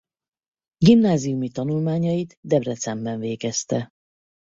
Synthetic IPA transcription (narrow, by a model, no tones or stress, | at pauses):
ɡimnaːzijumit̪ɒnulmaːɲɒjit̪d̪ɛbrɛt̪sɛmbɛɱveːɡɛst̪ɛ